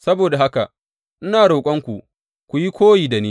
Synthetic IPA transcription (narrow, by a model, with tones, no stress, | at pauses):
sɐ˦boː˨da˨ɦa˦ka̰˨ | ʔɪ˦naː˨ɽoː˨kʷʼɐ˦ŋkʷu˨ | kʷu˨ji˦kʷoː˦jiː˨da˨niː˦